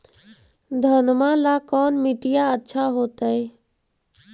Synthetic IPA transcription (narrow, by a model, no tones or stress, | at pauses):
d̪ʱənmalaːkɔːnmɪʈijaətːʃʰaɦoːt̪ə